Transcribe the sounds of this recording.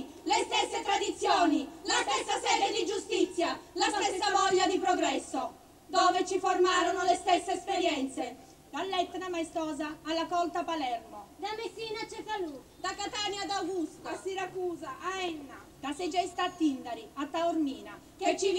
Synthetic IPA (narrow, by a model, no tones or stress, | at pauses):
lest̪esːet̪ɾad̪it̪sːjoːnilast̪ɛsːasɛːd̪ed̪id͡ʒust̪it̪sːjalasɛssːavɔʎːad̪ipɾoɡɾɛsːo | d̪oːvet͡ʃiformaːɾonolest̪ɛsːeːspeɾjɛnt̪se | d̪̥alːɛt̪ːnamajst̪ɔːzaːlːakɔlt̪apalɛrmod̪amesiːnat͡ʃɛfalu | d̪akat̪aːnjad̪awɡust̪asiɾakuːzaaɛnːa | d̪̥ased͡ʒɛist̪at̪ːind̪aɾiat̪ːaoɾmiːna | ket͡ʃːi